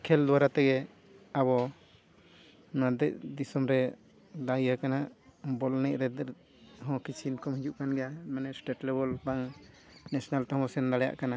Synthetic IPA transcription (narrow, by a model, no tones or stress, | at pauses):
kʰɛld̪uwaɾat̪ɛɡɛ | abɔ | nad̪ɛ̰c̚d̪isɔmɾɛ | d̪ajakanaʔbɔlnɛʔ̚ɾɛd̪ɛ | ɦɔ̃kit͡ʃʰinkɔmhid͡ʒuʔkanɡɛjamɛnɛsʈeʈlɛbɔlbaŋ | nɛsɔnalt̪ɛɦɔ̃ɔsɛnd̪alɛja̰ʔkana